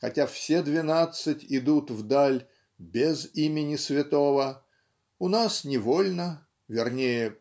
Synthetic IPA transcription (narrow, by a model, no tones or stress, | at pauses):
xɐtʲafsʲed̪vʲɪnat̪sɨtʲɪd̪ut̪vd̪alʲ | bʲɪzimʲɪnʲɪsvʲɪt̪o̞və | ʊnasnʲɪvo̞lʲnə | vʲɪrnʲejə